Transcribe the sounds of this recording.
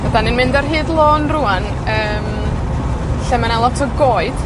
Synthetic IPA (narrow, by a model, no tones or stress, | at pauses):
vadanɨnmɪndarɦɨːdlˠoːnruan | əːm | ɬɛmanalˠɔtʰɔɡoːɨd̥